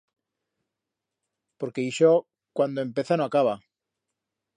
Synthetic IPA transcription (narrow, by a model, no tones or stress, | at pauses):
po̞ɾke̞iʃo | kwand̪oempe̞θanoakaβa